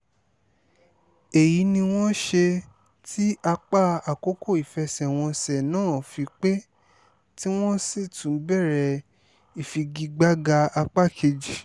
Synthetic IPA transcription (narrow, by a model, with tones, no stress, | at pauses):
e˨ji˨˦nĩ˧w̃ɔ̃˦ʃe˧ | tʰi˦a˧k͡pa˦a˨ko˦ko˦˨i˨fɛ˧sɛ˨w̃ɔ̃˧sɛ˨nãː˦˨fi˧k͡pe˦ | ti˦w̃ɔ̃˦si˦˨tũ˨˦bɛ˦˨ɾɛ˧ | i˨fi˧ɡi˧ɡ͡ba˦ɡa˧a˧k͡pa˦˨kʰe˧d͡ʒi˨